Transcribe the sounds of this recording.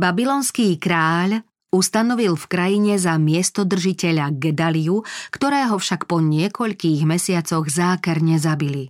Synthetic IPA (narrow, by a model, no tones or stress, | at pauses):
babilɔːnskiːkɾaːʎ | ust̪anɔʋilfkɾajiɲɛzamɪɛst̪ɔd̪r̩ʒicɛʎaɡɛd̪aliukt̪ɔɾɛːɦɔfʃakpɔɲɪɛkɔʎkiːɣmɛsɪat͡sɔɣzaːkɛɾɲɛzabili